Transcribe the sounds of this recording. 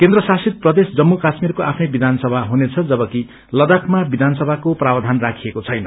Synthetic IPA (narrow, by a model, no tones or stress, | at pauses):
kend̪rʌsasit̪̚prʌd̪esd͡zʌmːukasmirkoʔapʰnʌjbid̪ʱansʌbʱaɦunet͡sʰʌd͡zʌbʌki | lʌd̪ʌkʰmabid̪ʱansʌbʱakoprabd̪ʱanrakʰijekot͡sʰʌjnʌ̰